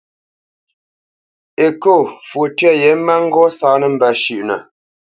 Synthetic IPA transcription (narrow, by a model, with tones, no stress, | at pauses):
e˨ko˦˨fwo˨tɥɛ˦˨jɛ˨˦m̩˦ma˦ŋ̩˦ɡɔ˦saː˦nə˨m̩˨bə˨ʃʉ˨ʔnə̰˨